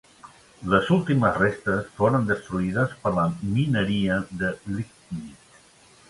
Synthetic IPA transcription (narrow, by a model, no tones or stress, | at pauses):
ləzulˠt̪iməzrest̪əsfoɾənd̪əst̪ɾuiðəspəɾləminəɾiəðəlik̪ | nis